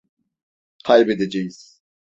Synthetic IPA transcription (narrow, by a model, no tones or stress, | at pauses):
qʰajbed̪ed͡ʒejiz̥